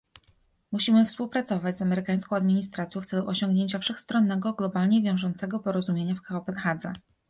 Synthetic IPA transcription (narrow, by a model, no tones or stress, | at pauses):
muɕimɘfspuwpɾat̪sɔvad͡ʑʲzamɛɾɘkaj̃skɔ̃w̃ad̪mʲiɲist̪ɾat̪sʲjɔ̃ft̪sɛluʔɔɕɔ̃ŋɡɲeɲt͡ɕafʂɛxst̪ɾɔnːɛɡɔɡlɔbalɲɛvʲjɔ̃w̃ʐɔnt̪sɛɡɔpɔɾɔzumʲjeɲafkaɔpɛnxad̪zɛ̰